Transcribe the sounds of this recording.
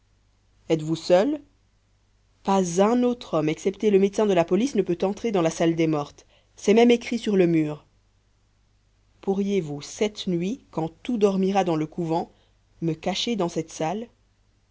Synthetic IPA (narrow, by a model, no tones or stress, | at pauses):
ɛt̪vusœl | pazɛ̃not̪χɔmɛksɛpt̪eləmet̪sɛ̃d̪əlapɔlisnəpøt̪ɑ̃t̪χed̪ɑ̃lasald̪ɛmɔʁt̪ | sɛmɛmekχisyʁləmyːʁ | puʁjevusɛt̪nɥikɑ̃t̪ud̪ɔʁmiʁad̪ɑ̃ləkuvɑ̃ | məkaʃed̪ɑ̃sɛt̪sal